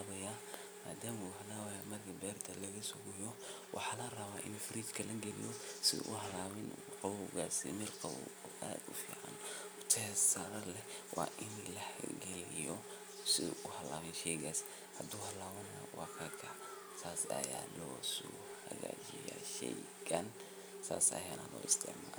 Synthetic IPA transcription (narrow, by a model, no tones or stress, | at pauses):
βɐja | maːd̪aːmuːɦɐlaːβɐjaːmɐrkʰɐbɛːrt̪ʰɐlɐɣɐsʊɡʊjɔ | wʔɑ̰ħɑːlɐrɐβaːʔɪ̰nufɪɾiːd̪kʰɐlɐɡɛlɪ̰jɔsɪ̰ʔʊ̰hɐlaːβɪnuqɑβɔɣaːsḭmɪlqɑβɔ̰ɔʔa̰ːd̪ʊ̰fḭːʕɑ̰nʊt̪ʰɛsɐɾɐlɛwɑːʔɪnlɐhɡɛlɪjɔ | sɪ̰ʊhɐla̰ːβɪnʃɛjɣaːs | hɐd̪uːhɐlaːwɐnɐjwɑːkʰɐkʰɐ | tʰaːsɐ̰jaːlɔsu | hɐɣa̰ːt͡ʃɪja̰ːʃɛjɡɐn | sa̰ːsɐ̰jaːnɐlɔ̰ːɪst̪ɛ̰ɡma